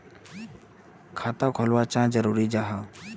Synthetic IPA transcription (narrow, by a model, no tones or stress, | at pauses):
kʰat̪akʰɔlwat͡ʃãd͡ʒəɾuɾid͡ʒaɦa